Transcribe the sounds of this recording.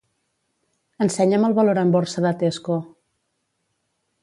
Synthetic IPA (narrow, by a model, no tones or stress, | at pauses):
ənsɛɲəməlˠβəloɾəmboɾsəðət̪esko